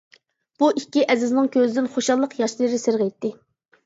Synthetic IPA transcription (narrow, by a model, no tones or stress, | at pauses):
b̥uʔikʲːiʔɛzɪznɪŋkʲøzɪd̪ɪnχoʃɑlˠːəqjɑʃlˠɾɪsɪɾʁɛjt̪ːɪ